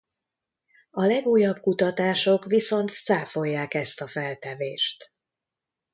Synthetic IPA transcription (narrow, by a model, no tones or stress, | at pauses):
ɒlɛɡuːjːɒb̚kut̪ɒt̪aːʃo̞kʋiso̞nt̪saːfo̞jːaːkɛst̪ɒfɛlt̪ɛveːʃt̪